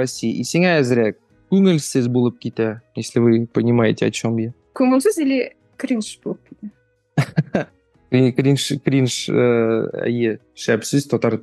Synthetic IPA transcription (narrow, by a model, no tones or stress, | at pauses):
osʲːijʔiseŋææzɪɾæ | kʲʉŋɪlʲsɪzbulˠəp̚kʲit̪æjeslɪvɨpɐnʲimɑjɪt̪ʲeɒ̰t͡ɕome | kʲʰɵŋɪlʲsɪzelʲe | krʲinʃbolˠəp̚kʲʰit̪ɪ | kɾikrʲinʃkrʲinʃəæ̰je | ʃæpsɘz̥t̪ʰɒt̪ɑɾ